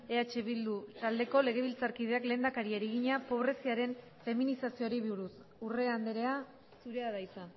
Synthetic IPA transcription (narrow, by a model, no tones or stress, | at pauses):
e̞at͡ʃe̞βild̪ut̪ald̪e̞ko̞le̞ɣe̞β̞ilt͡saɾkið̞e̞akle̞ːnd̪akaɾiaɾiɣ̞iɲapo̞β̞ɾe̞siaɾe̞n | fe̞minisasio̞ɾiβiuɾus | ure̞and̪eɾe̞a | suɾe̞aðajsan